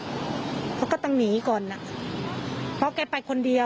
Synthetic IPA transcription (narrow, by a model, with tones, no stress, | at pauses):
pʰɔ˦˥wkɔː˥˩t̪ɔ˥˧˩ŋniː˩˦kɔː˨˩nːa˨˧˩ | pʰɔ˦˥kaː˧pa˧jkʰo˧ndi˧ə